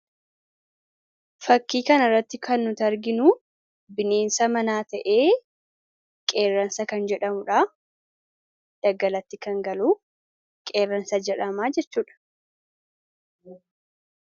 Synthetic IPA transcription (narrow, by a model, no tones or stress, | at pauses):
fɐkːiːkɐnɐrːɐt̪ːɪkʰɐnːʊt̪ɐɾɡɪnu | bɪne̞ːnsɐmɐnaːt̪ɐʔe̞ː | kʼe̞ːrːɐnsɐkɐnd͡ʒɛᶑɐmʊᶑaː | d̪̥ɐɡɐlɐt̪ːɪkɐŋɡɐluː | kʼe̞ːrːɐnsɐd͡ʒɛᶑɐmaːd͡ʒɛt͡ʃːuːᶑɐ̥